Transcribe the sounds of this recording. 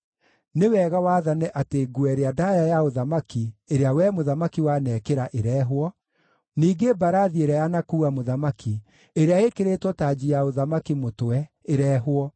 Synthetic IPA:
newɛɣawaðanɛʔateɡuɛɾeadajajaoðamakieɾeawɛmoðamakiwanɛːkeɾaʔeɾɛːɦwɔ | niːɡebaɾaðieɾɛjanakuːɣamoðamaki | eɾeaekeɾetwɔtad͡ʑijaoðamakimotoɛ | eɾɛːɦwɔ

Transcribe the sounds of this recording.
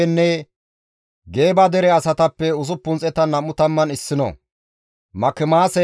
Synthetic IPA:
ɛnːɛ | ɡe̞ːbɐd̪ɛɾɛɐsɐt̪ɐpːɛʊsʊpːʊnt͡sʼɛt̪ɐnɐmːʊt̪ɐmːɐnɪsːɪnɔ̰ | mɐkːɪmaːsɛ

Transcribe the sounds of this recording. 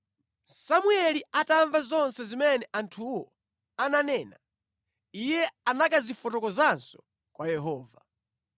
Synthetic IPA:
samuɛliataɱvazɔnsɛzimɛnɛʔantʰuwɔ | ananɛːna̰ | ijɛanakazifɔtɔkɔzansɔ̥ | kwajɛɦɔːva

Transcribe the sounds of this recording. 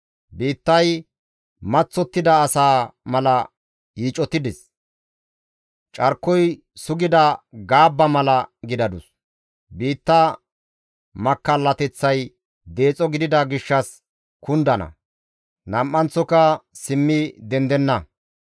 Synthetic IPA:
biːt̪ːɐj | mɐt͡sːɔt̪ːɪd̪ɐːsaːmɐlɐ | hiːt͡ʃʼːɔt̪ːɪd̪ɪs | t͡ʃʼɐɾkːɔj | sʊɡɪd̪ɐɡaːbːɐmɐlɐɡɪd̪ɐd̪ʊs | biːt̪ːɐ | mɐkːɐlːɐt̪ɛt͡sːɐj | d̪e̞ːt͡sʼɔɡɪd̪ɪd̪ɐɡɪʃːɐs | kʊnd̪ɐnɐ̰ | nɐmʔːɐnt͡sːɔkɐsɪmːɪd̪ɛnd̪ɛnːɐ

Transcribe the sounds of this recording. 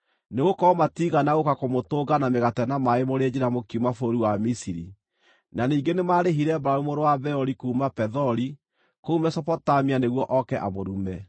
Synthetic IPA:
neɣokɔmatiɣanaɣokakomotoːɡanameɣatɛnamaemoɾɛd͡ʑiɾamokiumafoɾiwamisiɾḭ | naniːŋɡenemaɾeɦiɾɛbaɾaumoɾowabɛɔɾikuːmapɛðɔɾi | koumɛsɔpɔtamianeɣwɔʔɔkɛʔa̰moɾumɛ

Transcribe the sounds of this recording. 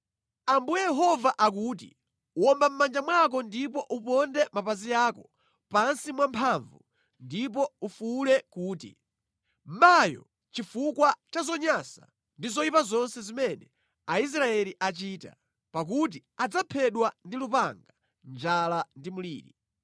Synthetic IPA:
ambujɛjɛɦɔvaʔak̬uːt̬ḭ | uɔmbam̩mand͡ʒamwak̬ɔndipɔʔupɔndɛmapazijaːkɔ | pansimwampʰaɱvṵ | ndipɔufulɛkuːtḭ | m̩majɔ̰ | t͡ʃifukwat͡ʃazɔɲasa | ndizɔipazɔnsɛzimɛnɛ | ais̬ɾaɛliʔat͡ʃiːta̰ | pak̬ut̬iad͡zapʰɛɗwandilupaŋɡa | nd͡ʒalandimulḭːɾi

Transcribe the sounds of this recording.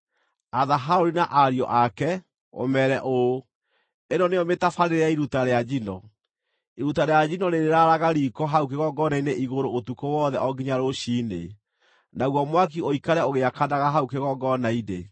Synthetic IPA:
aðaɦaoɾinaʔaɾiɔ̰ʔakɛ | o̰mɛɾɛʔo | enɔneɔmetafaɾeɾeaiɾutaɾead͡ʒinɔ | iɾutaɾead͡ʑinɔɾeɾeɾaɾaɣaɾikɔɦaukeɣɔɡɔnaineʔiɣoɾootukowɔðɛʔɔɡiɲaɾoɕine | naɣwɔmwak̬ioikaɾɛoɣeakanaɣaɦaukeɣɔɡɔnaine

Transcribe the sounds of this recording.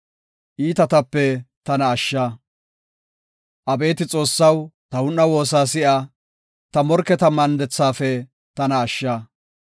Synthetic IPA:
ʔiːt̪ɐt̪ɐpːɛt̪ɐnɐːʃːɐː | ʔɐbe̞ːt̪ɪt͡sʼo̞ːsːɐwt̪ɐwʊnːɐwo̞ːsaːsɪʔa | t̪ɐmɔɾkːɛt̪ɐmɐnd̪ɛt͡sːaːfɛ | t̪ɐnɐːʃːaː

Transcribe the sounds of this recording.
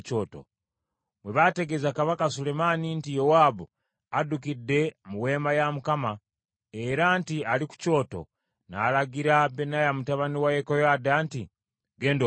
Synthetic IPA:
t͡ʃoːto̰ | mweβate̞ɡe̞zakaβakasule̞manintijowaːbu | adukidːe̞muwe̞ːmbajamukama | eɾantialiku̥co̞ːto̞̰ | na̰ːlaɡiɾabenajamutaβaniwajekojaːdaːnti | ɡe̞ːndo

